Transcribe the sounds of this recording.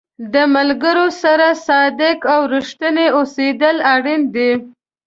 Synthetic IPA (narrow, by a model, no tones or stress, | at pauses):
d̪əmalɡəɾosaɾasɑd̪ɪkawɾiʃt̪əneosed̪əlaɽind̪e